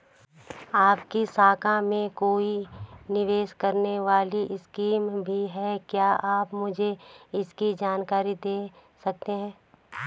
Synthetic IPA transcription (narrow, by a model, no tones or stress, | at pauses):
aːpkisaːkãmẽkoːinɪʋeːʃkɐɾneʋaːliʔɪskiːmbʱiɦɛkjaːʔaːpmʊd͡ʒʱeɪskid͡ʒaːnkaːɾid̪eːsɐk̚t̪eɦɛ̃ː